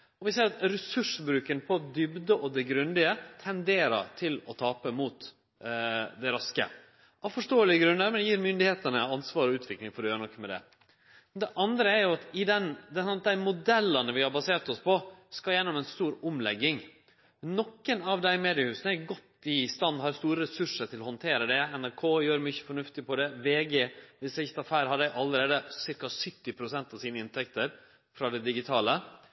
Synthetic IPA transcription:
ɔʋɪseːɾɑt̪ɾɛsʉʂbɾʉːkənpʰɔd̪ʏbd̪əʔɔd̪ɛɡɾʉnd̪ɪət̪ʰɛnd̪eːɾə̰ɑ̰t̪ʰɪlɔt̪ʰɑːpəmuːt̪ | d̪æɾɑskə̰ | ʔɑfɔʂʈoːəlɪəɡɾʉnːəɾmɛnjiːɾmʏnd̪ɪheːt̪ənəɑnsʋɑːɾɔʉːt̪ʰʋɪklɪŋfɔɾɛjøːɾənɔkːmɛd̪ɛ̰ | d̪ɛʔɑnd̪ɾəæɾjʊɑt̪ɪd̪ɛnd̪ɛsɔnɑt̪̚d̪æɪmʊd̪ɛlːɑnəʋɪhɑɾbɑseːɾt̪ɔspʰɔskɑljɛnːɔmɛnst̪uːɾʊmlɛɡːɪŋ | nɔkːənɑʋd̪æɪmeːd̪ɪɑhʉːsnəɛɾɡɔt̪ːɪst̪ɑnd̪hɑːɾst̪uːɾəɾɛsʉʂəɾʈ̪ʰɪlɔhɔnt̪ʰeːɾəd̪ɛɛnæɾkʰoːjøːɾmʏçə̥fɔɳʉft̪ɪpʰɔd̪ɛʋeːɡeːʋɪsɪçt̪ɑfæːɾhɑd̪æɪʔɑlːəɾeːd̪əsɪɾkɑsʏt̪ːɪpʰɾʊsɛnt̪ɑʋsiːnəɪnt̪ʰɛkt̪əɾ | fɾɑd̪ɛd̪ɪɡɪt̪ʰɑːlə

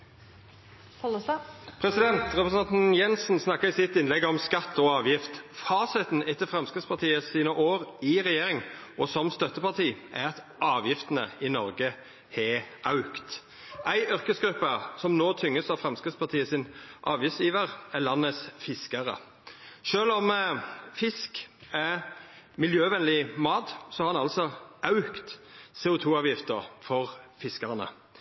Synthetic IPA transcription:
pʰɾɛsɪd̪ɛnt̪ʁɛpɾəsɑnt̪n̩jɛnsn̩snɑkːəɪsɪt̪ɪnlɛɡɔmskɑt̪ːɔɑːʋjɪft̪fɑːsɪt̪n̩ɛt̪ːəfʁɛmskʁɪt̪spɑʁt̪ʰiːəsiːnəʔoːʁɪʁɛjeːʁɪŋʔɔsɔmst̪œt̪ːəpɑʁt̪ʰiːʔæ̰ʁɑt̪ | ʔɑːʋjɪft̪ənəɪnɔʁɡə | hɛʔɑʉkt̪ | ʔæɪʔʏʁkəsɡɾʉpːəsɔmnoːt̪ʰʏŋːəsɑʋfɾɛmskɪt̪spʰɑʁt̪ʰiːəsɪnʔɑːʋjɪft̪sjiːʋəʁælɑnːəsfɪskɑɾə̰ | ʃøːlɔmfɪskæ | mɪljøːʋɛnlɪmɑːt̪sɔhɑɾɑnɑlsɔɑʉkt̪seːʊt̪ʰuːɑːʋjɪft̪əɾfɔʁfɪskəʁnə̰

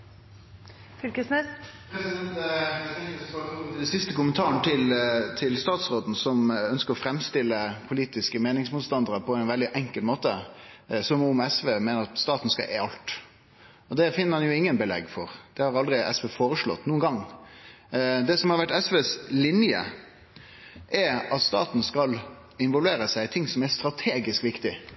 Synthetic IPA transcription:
fʏlkəsnɛpɛ | d̪sɪst̪əkʊmənt̪ʰɑːɾənt̪ʰɪlt̪ʰɪlst̪ɑːt̪sʁoːd̪n̩sɔmœnskəɾɔfɾɛmst̪ɪlːəpʰʊliːt̪ɪskəmeːnɪŋsmuːt̪st̪ɑnd̪əɾəpʰɔæɪnʋɛld̪ɪʔɛŋkəlmoːt̪əsɔmʊmɛsʋeːmeːnəɾɑt̪st̪ɑːt̪n̩skɑ̰ʔeɑlt̪ | ɔd̪ɛfɪnːəɾhɑnjʊɪŋːənbəlɛ̰ɡfɔɾd̪̥ɛhɑɾɑld̪ɾɪʔɛ̰sʋeːfoːɾəʂɭɔ̰t̪ːnuːnɡɑŋ | d̪ɛsɔmhɑɾʋæʈːɛsʋeːslɪnjə̰ | ʔɛɾɑt̪st̪ɑ̰ːt̪n̩skɑl | ɪnʋɔlʋeːɾəsæɪɪt̪ʰɪŋːsɔmæɾst̪ɾɑt̪ʰeːɡɪskʋɪkt̪ɪ

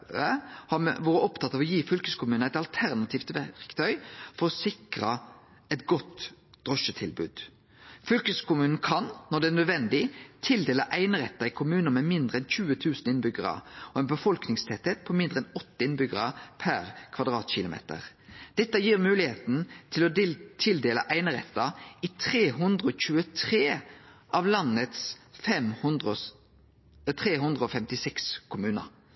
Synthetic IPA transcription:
əhɑʋɑːʁɾəɔpt̪ʰɑt̪ːɑːʋɔjiːfʏlkəskʰʊmʉːnæɪt̪ɑlt̪ʰæʁnɑt̪ʰiːft̪ʋæʁkt̪ʰœʏfɔɾɔsɪkʁɑ | ɛt̪̚ɡɔt̪ː | d̪̥ʁɔʃət̪ʰɪlbʉ̰ːd̪̥ | fʏlkəskʊmʉːnn̩kʰɑnːɔd̪ɛænœd̪ʋɛnd̪ɪt̪ʰɪld̪eːləʔæɪnəʁɛ̰t̪ːɑɪkʰʊmʉːnəmɛmɪnd̪ɾəɛnçʉːət̪ʰʉːsn̩ɪnbʏɡəʁə̰ɔɛnbəfɔlknɪŋst̪ʰɛt̪ːɛt̪̚pʰɔmɪnd̪ʁəɛnɔt̪ːəɪnbʏɡəʁəpʰæʁkʰʋɑd̪ʁɑ̰ːt̪ɕɪlʊmḛːt̪ə̰ʁ | d̪̥ɛt̪ːəjiːʁmʉːlɪheːt̪n̩t̪ʰɪlɔt̪ʰɪld̪eːləʔæɪnəɾɛ̰t̪ːɑɪt̪ʰʁeːɦʉnd̪ʁəoːc͡çʉːət̪ʰʁeːʔɑʋlɑnət̪sfɛmhnd̪ | t̪ʰʁeːɦʉnd̪ʁəɔfɛmt̪ɪsɛkskʰʊmʉːnə̰ɾ

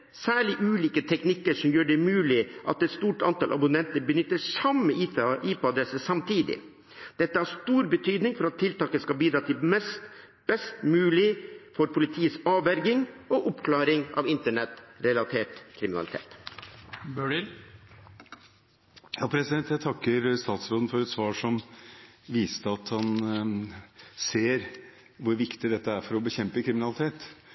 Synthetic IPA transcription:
sæːɭɪʔʉːliːkət̪ʰɛknɪkːəʂɔmjøːɖɛmʉːlɪʔɑ̰t̪ɛt̪st̪uːʈɑ̰nt̪ɑlʔɑ̰bʊnɛnt̪əɾbənʏt̪ːəsɑmːəiːpəɑd̪ɾɛsəsɑmt̪ʰiːd̪ɪ̰ | d̪̥ɛt̪ːəhæʂt̪uːɾbət̪ʰyːd̪nɪŋfɔɾɑt̪ʰːɪlt̪ɑːkəskɑbiːd̪ɾɑːt̪ʰɪmɛst̪ | b̥ɛst̪mʉːlɪfɔɾpʰʊlɪt̪ʰiːəsɑːʋæɾɡɪŋɔʔʊpkʰlɑːɾɪŋɑ̰ːʋɪnt̪əɳɛt̪ɾɛlɑt̪ʰeːʈkʰɾɪmɪnɑ̰lɪt̪ʰḛːt̪ | bøːɽɪl | jɑːpʰɾɛsɪd̪ɛnt̪jæt̪ʰɑkːəɾst̪ɑːt̪sɾoːd̪n̩fɔɾɛt̪sʋɑːʂɔm | ʋiːst̪əɑt̪hɑn | seːɾ | ʋʊɾʋɪkt̪ɪd̪ɛt̪ːəæɾfɔɾɔbəçɛmpəkʰɾɪmɪnɑlɪt̪ʰeːt̪

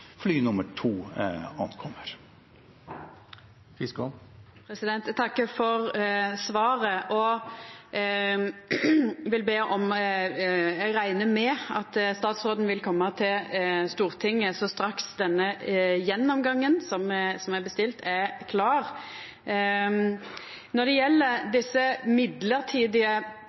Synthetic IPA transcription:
flyːnʊməʈʰuːɑnkʰɔmːəɾ | fɪskʊ | pʰɾɛsɪd̪ɛnt̪t̪ʰɑkːəfɔʁsʋɑːʁəʔɔ | ʋɪlbeːʔɔm | jɛɡʁæɪnəmɛɑt̪st̪ɑːt̪sʁoːd̪n̩ʋɪlkʰɔmːət̪ʰɪlst̪uːʁt̪ʰɪŋːəsɔst̪ɾɑksd̪ɛnːəjɛnːɔmɡɑŋːənsɔmsɔmæbəst̪ɪlt̪ʰɛkʰlɑːʁ | nɔʁd̪ɛjɛlːəɾd̪ɪsːəmɪd̪ləʁt̪ʰiːd̪ɪə

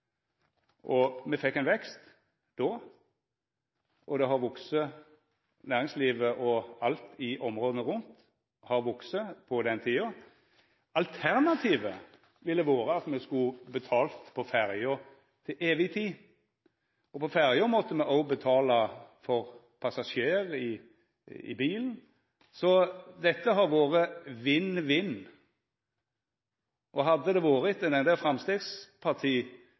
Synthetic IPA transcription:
ʔɔmɛfɛkːæɪnʋɛkst̪ | d̪̥o | ʔɔd̪ɛɦɑʁʋɔksə | næːʁɪŋsliːʋəʔɔɑlt̪ɪʔɔmʁoːd̪ənəʁʊnt̪ | hɑʁʋɔksəpʰɔd̪ɛnt̪ʰiːɑ | ɑlt̪ʰæʁnɑt̪ʰiːʋə | ʋɪlɛʋoːɾəɑt̪mɛskʉbət̪ʰɑːlt̪pʰɔfæɾjɔ | t̪ʰɪlʔeːʋɪt̪ʰiː | ɔpʰɔfæɾjɔmɔt̪ːəmɛʔɔʊbət̪ʰɑːlɑfɔɾ | pʰɑsɑʂjeːʁɪ | ɪ̰biːln̩ | sɔd̪ɛt̪ːəɦɑɾʋoːʁəʋɪnːʋɪnː | ʔɔɦɑd̪ːəd̪ɛʋɑːɾət̪ɛnɛnd̪eːlfɾɑmst̪eːɡspʰɑʁt̪ʰiː

